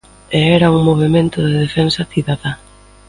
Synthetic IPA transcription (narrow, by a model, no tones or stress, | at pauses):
eɛɾɐuŋmoβemẽnt̪ʊðeðefɛnsɐθiðaðɐ